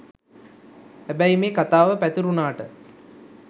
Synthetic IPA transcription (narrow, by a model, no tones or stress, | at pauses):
hæbæjmeːkat̪aːʋəpæt̪uɾunaːʈə